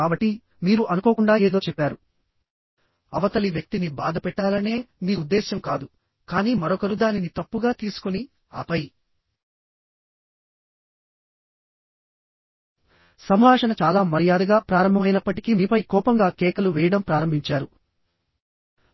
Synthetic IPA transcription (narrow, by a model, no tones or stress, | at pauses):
kaːbɐʈːi | miːɾuʔɐnukoːkuɳɖaːeːd̪oːt͡ʃɛpːaːɾu | ɐʋɐt̪ɐliʋjɐk̚t̪iniba̰ːd̪ɐpɛʈːaːlɐne̞ːniːud̪ːɛːʃɐmkaːd̪u | kaːniːmɐɾɔkɐɾud̪aːninit̪ɐpːuɡaːt̪iːsu̥kuni | a̰ːpɐji | sɐmɦaːʂɐnɐt͡ʃaːlaːmɐɾijaːd̪ɐɡaːpɾaːɾɐmbʱɐmɐjnɐpːɐʈikimiːpɐjkɔːpɐŋɡaːkɛːkɐluʋɛːjɐɽɐmpɾaːɾɐmbʱiɲt͡ʃaːɾu